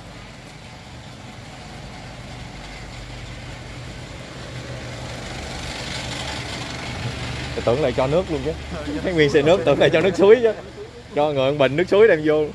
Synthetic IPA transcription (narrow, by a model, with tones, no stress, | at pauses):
a˨˩t̪ɨ̰˨˧˩ələ̰˧˨jt͡ɕɔ˧nɨ˦˥ək̚lu˧əŋt͡ɕa˨˦faː˨˦jŋwi˧əŋsɛ˧˩nɨ˦˥ək̚t̪ɨ̰˨˧˩əŋla̰˧˨˩t͡ɕɔ˧nɨ˦˥ək̚su˨˦əjt͡ɕə˨˦ | t͡ɕɔ˧ŋə̰ː˨˩˨ə˨ŋɓə̰˧˨˩ŋnɨ˦˥ək̚su˨˦əjɗɛ˧mjo˧